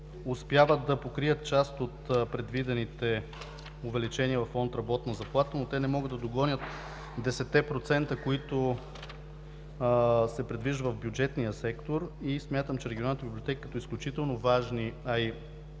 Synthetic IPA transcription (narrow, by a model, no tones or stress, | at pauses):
ʊspʲjavət̪̚d̪ɐpokɾiət̪̚t͡ʃast̪ot̪pɾɛd̪vid̪ɛnit̪ɛ | ʊvɛlit͡ʃɛniəvɐfɔnt̪ɾɐbɔt̪nəzɐplˠat̪ənot̪ɛnɛmɔɡəd̪d̪ɐd̪oɡɔnʲjət̪ | d̪ɛsɛt̪ːɛpɾot̪sɛnt̪əkoit̪ʊ | sɛpɾɛd̪viʒd̪əvɐvbjʊd͡ʒɛt̪nijəsɛkt̪oɾismʲjat̪əmt͡ʃɛɾɛɡionanət̪ːbiblʲot̪ɛkə̥kɐt̪ɔisklʲut͡ʃit̪ɛlˠnovaʒniɐi